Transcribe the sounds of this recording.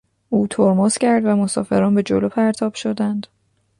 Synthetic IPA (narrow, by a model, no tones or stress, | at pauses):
ʔuːt̪ʰoɾmoːscʰæɾd̪væmosɒ̰ːfe̞ɾɒːnbe̞d͡ʒo̰lopʰæɾt̪ʰɒːb̥ʃod̪ænd̪